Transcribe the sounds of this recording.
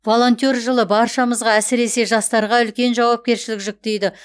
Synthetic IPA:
vo̞lˠo̞nt̪ʲorʒəlˠəbɑɾʃɑməzʁɑæsɪɾe̞se̞ʒɑst̪ɑɾʁɑʏlkʲe̞nʒɑwɑp̚kʲe̞ɾʃɪlɪkʒɪk̚t̪e̞jd̪ɪ

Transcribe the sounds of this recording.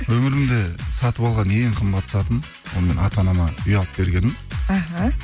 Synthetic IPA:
wɵmɪɾɪmd̪ɪsɑt̪əpɑlˠʁɑneɴqʰəmbɑt̪ːə̥sɑt̪ən | wonəme̞nɑt̪ɑnɑmɑʏjɑlˠəp̚be̞ɾɡʲe̞nɪnaɦa

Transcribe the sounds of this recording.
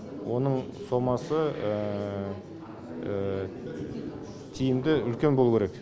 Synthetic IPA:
wo̞nəɴso̞mɑsəə | t̪ʰijɪmd̪ɪʏlkʲe̞nbolˠukʲʰeɾek

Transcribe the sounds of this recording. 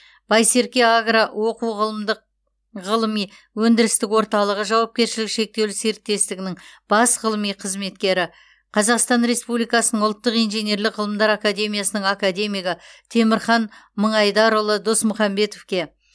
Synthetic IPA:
b̥ɑjse̞ɾkʲe̞aɡrawʔo̞quʁəlˠəmd̪əq̚ | ʁəlˠəmij | wɵnd̪ɪɾɪst̪ɪkwo̞ɾt̪ɑlˠəʁəʒɑwɑp̚kʲe̞ɾʃɪlɪkʃe̞k̚t̪e̞wlɪse̞ɾt̪ːe̞st̪ɪɡʲɪnɪŋb̥ɑsʁəlˠəmijqʰəzme̞t̪kʲe̞ɾɪ | qʰɑzɑqst̪ɑnɾe̞spublijkɑsənəɴʊlˠt̪ːəqijnʒene̞ɾlɪkʁəlˠəmd̪ɑɾakad̪e̞mijasənəɴakad̪e̞mijɡɪt̪ʰe̞mɪɾχɑnməɴɑjd̪ɑɾʊlˠəd̪osmʊχɑmbe̞t̪o̞fkʲe̞

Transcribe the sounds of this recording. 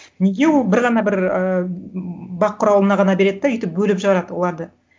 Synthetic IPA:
neɡʲe̞wo̞lˠbɪɾʁɑnɑbɪɾə | bɑqʰːʊɾɑwlˠənɑʁɑnɑbe̞ɾe̞d̪ɪd̪ɑʏjt̪ɪp̚bɵlɪpʒəʁɑɾɑd̪əwo̞lˠɑɾd̪ə

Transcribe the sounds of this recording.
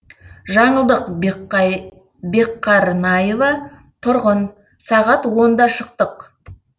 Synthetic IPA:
ʒɑɴəlˠd̪əq | be̞qʰːɑɾnɑjevɑ | t̪ʰʊɾʁən | sɑʁɑt̪wo̞nd̪ɑʃəqt̪əq

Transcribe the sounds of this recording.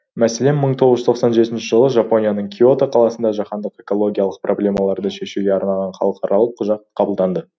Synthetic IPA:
mæselemːəɴt̪ʰoʁəzʒʏzt̪ʰqsɑnʒe̞t̪ɪnʃɪʒəlˠəʒɑpo̞nijanəɴkʲʰio̞t̪aqʰɑlˠɑsənd̪ɑʒɑqɑnd̪əqe̞ko̞lˠo̞ɡʲijɑlˠəq̚prʔo̞blʲe̞mɑlˠɑɾd̪əʃe̞ʃuɡʲeɑɾnɑʁɑnχɑ̰lˠəqʰɑɾʔɑlˠəp̚qʰʊʒɑt̪qʰɑbəlˠd̪ɑnd̪ə

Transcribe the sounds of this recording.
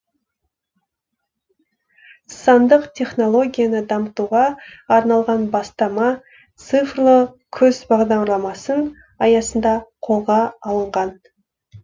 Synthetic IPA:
sɑnd̪əqt̪ʲʰe̞χno̞lˠo̞ɡʲijanəd̪ɑmət̪uʁɑːɾnɑlˠʁɑnbɑst̪ɑmɑ | t̪sɨfrlˠə | kʲʰɵzbɑʁd̪ɑɾlˠɑmɑsən | ɑjɑsənd̪ɑqʰo̞lˠʁɑɑlˠəɴʁɑn

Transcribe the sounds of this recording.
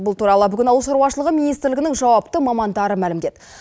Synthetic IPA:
bʊlˠt̪ʰuɾɑlˠəbʏɡʲɪnɑwlsoɾwɑʃ̬əlˠəʁəmijnijst̪ɾlɪɡʲɪnɪŋʒɑwɑpt̪əmɑmɑnd̪ɑɾəmælɪmd̪e̞d̪

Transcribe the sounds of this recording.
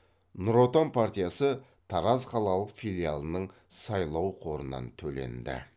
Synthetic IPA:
nʊɾot̪anpʰart̪ʲijasə | t̪ʰɑɾɑzqʰɑlˠɑlˠəqfilʲijalˠənəɴ | sɑjlˠɑwqʰo̞ɾənɑ̰nt̪ʰɵle̞̰nd̪ɪ̰

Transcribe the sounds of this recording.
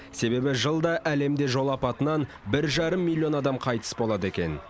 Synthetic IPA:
se̞be̞bɪʒəlˠd̪ɑʔæle̞md̪e̞ʒo̞lˠɑpɑt̪ənɑn | bɪɾʒɑɾəmːilʲˠːijo̞nɑd̪ɑmqʰɑjt̪ə̥sbo̞lˠɑd̪əe̞kʲe̞̰n

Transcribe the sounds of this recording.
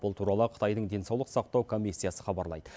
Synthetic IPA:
bʊlˠt̪ʰuɾɑlˠəqʰə̥t̪ɑjd̪əɴd̪e̞nsɑwlˠəqsɑq̚t̪ɑwkʰo̞mʲisːijasəχɑbɑɾlˠɑ̰jd̪̥ə

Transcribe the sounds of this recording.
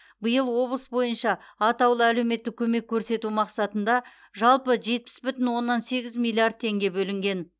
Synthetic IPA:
bəjəlˠwo̞blˠəsbo̞jənʃɑːt̪ɑwlˠəæle̞wme̞t̪ːɪk̚ʲʰɵme̞kʲʰːɵɾse̞t̪umɑqsɑt̪ənd̪ɑ | ʒɑlˠpəʒe̞t̪̚pɪ̥sbʏt̪ɪnwo̞nːɑnse̞ɡʲɪzmʲijlʲˠiard̪̚t̪ʰe̞ŋɡʲe̞bɵlɪŋɡʲe̞n

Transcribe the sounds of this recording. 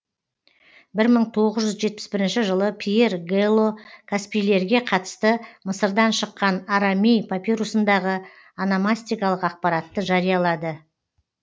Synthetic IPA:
bɪɾməɴt̪ʰo̞ʁəzʒʏzʒe̞t̪̚pɪ̥sbɪɾɪnʃɪʒəlˠəpʰije̞rɡelˠːo̞kʰaspijle̞ɾɡʲe̞qʰɑt̪ə̥st̪əməsəɾd̪ɑnʃəqːɑnaɾamʲejpʰapʲiɾusənd̪ɑʁə | anamasʲt̪ʲijkɑlˠəqɑq̚pɑɾat̪ːəʒɑɾijɑlˠɑd̪ə

